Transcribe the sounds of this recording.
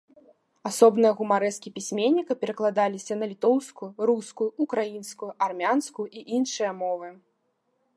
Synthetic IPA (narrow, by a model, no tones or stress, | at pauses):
asɔbnɨjɐɣumaɾɛskʲipʲisʲmʲenʲːikɐpʲɛɾɐklˠad̪alʲisʲɐnɐlʲit̪ɔwskujɾuskujuukɾajinskujuʔarmʲanskuʔiʔinʂɨjɐmɔvɨ